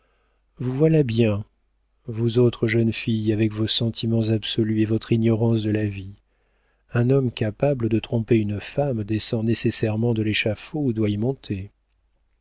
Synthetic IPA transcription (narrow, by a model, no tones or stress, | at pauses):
vuvwalabjɛ̃ | vuzot̪χəʒənfijavɛkvosɑ̃t̪ʰimɑ̃zabsɔlyevɔt̪χinjɔʁɑ̃sd̪əlavi | ɛ̃nɔmkʲapabləd̪ət̪χɔ̃peynfamd̪esɑ̃nesesɛʁmɑ̃d̪əleʃafoud̪waimɔ̃t̪ʰe